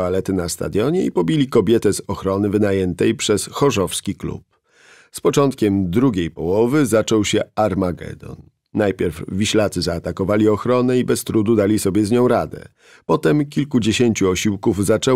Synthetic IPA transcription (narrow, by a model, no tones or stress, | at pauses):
alɛt̪ɘnast̪a̰d̪jɔɲɛḭpɔbʲilʲikɔbʲjɛt̪ɛzɔxɾɔnɘvɘnajɛnt̪ɛjpʂɛsxɔʐɔfskʲiklṵp̚ | spɔt͡ʂɔnt̪̚kʲɛmd̪ɾuɡʲejpɔwɔvɘzat͡ʂɔwɕɛaɾmaɡɛ̰d̪ɔ̰nː | ajpʲjɛɾvːʲiɕlat̪sɘzaːt̪akɔvalʲiɔxɾɔnɛibɛst̪ɾud̪ud̪alʲisɔbʲjɛzɲɔ̃w̃ɾad̪ɛ̰ | pɔt̪ɛmkʲilkud͡ʑeɕeɲt͡ɕuɔɕiwkuvzat͡ʂɛ